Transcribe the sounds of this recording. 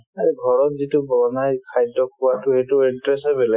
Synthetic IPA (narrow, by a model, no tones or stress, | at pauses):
aɹɡʱɔɹɔtzitʊbɔɹɔnajkʰajdɔkʰʊwatʊhɛjtʊintɹɛsɛbɛlɛ